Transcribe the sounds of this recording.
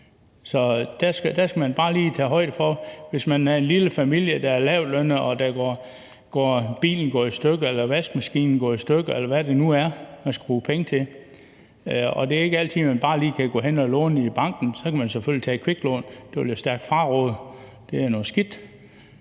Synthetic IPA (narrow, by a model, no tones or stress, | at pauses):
sɒ̽d̥æsɡ̥d̥æsɡ̥æmænb̥ɑ̈ːliːt͡sʰɛ̰ːɦɒ̽ɪ̰d̥əfɒ̽ʋe̝smænæɐe̝nliləfæmil̰jəd̥ææɐlɛʊ̰lønəɒ̽d̥æɡ̥ɒː | ɡ̥ɒ̰ːb̥ḭːln̩ɡ̥ɒ̰ːisd̥øɡ̥əelɐʋesɡ̥̚mæsɡ̥ḭːnn̩ɡ̥ɔ̰ːisd̥øɡ̥əelɐʋæde̝nuæɐæsɡ̥æb̥ʁuːpʰeŋət͡sʰe̝l | ɒ̽d̥e̝æɐe̝ɡ̥əæl̰t͡sʰið̩̰ˠmænb̥ɑ̈ːliːkʰæɡ̥ɔ̰ːɦenɒlɔ̰ːnib̥ɑ̈ŋ̰ɡ̥n̩sɒ̽kʰæmænseføl̰jit͡sʰɛ̰ːkʰʋe̝ɡ̥lɔ̰ːnd̥eb̥liɐsd̥æɐɡ̥d̥fɑ̈ːʁɔ̽ːð̩ˠ | d̥e̝æɐnɔ̽ːsɡ̥id̥